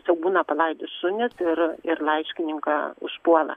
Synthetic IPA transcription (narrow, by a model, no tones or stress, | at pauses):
sʲɛʊk̚buːnɐpɐlˠɐɪd̪ʲʊssʊnʲɪsɪɾɪrlˠɐɪʃʲkʲɪnʲɪŋkɑʊ̰ʃpuɔlˠɐ̰